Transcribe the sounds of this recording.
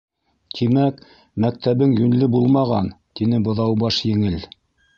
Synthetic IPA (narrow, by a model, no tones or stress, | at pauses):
t̪ʰimæk | mæk̚t̪æβɘŋjɵnlɘbulˠmɑʁɑnt̪inɘbŏðɑwbɑʃjɘ̆ŋɘl